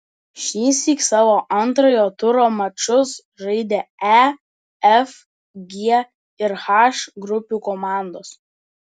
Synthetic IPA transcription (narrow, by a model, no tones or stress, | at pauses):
ʃʲiːsʲiːksɑːʋoːʔɐnˑt̪ɾojoːt̪ʊɾoːmɐt͡ʃʊs | ʒɐɪd̪ʲeːæ | ɛf | ɡʲiɛ | ɪɾxɑʃɡɾʊpʲuːkɔmɑˑnd̪oːs